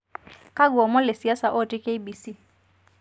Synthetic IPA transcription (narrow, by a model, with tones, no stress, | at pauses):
ka˦ɡwɔ˨mɔ˦le˨si˨a˦sa˨ʔo˦˨ti˦ke˦i˦bi˨si˦˨